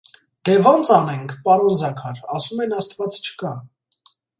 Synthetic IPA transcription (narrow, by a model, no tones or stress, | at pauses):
d̪̥ɛvɑnt͡sɑnɛŋkʰpɑɾɔnzɑkʰɑɾɑsumɛnɑst̪vɑt͡st͡ʃʰə̥kɑ